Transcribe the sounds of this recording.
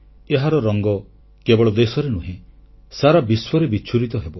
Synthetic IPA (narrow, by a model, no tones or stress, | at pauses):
eɦaɾɔɾɔŋɡɔ | kebɔɭɔd̪esɔɾenuɦĩ | saɾabiswɔɾebit͡ʃʰuɾit̪ɔɦebɔ